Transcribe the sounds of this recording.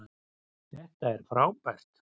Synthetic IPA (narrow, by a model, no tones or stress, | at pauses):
θɛht̪aɛɾ̥fɾawpɛr̥t̪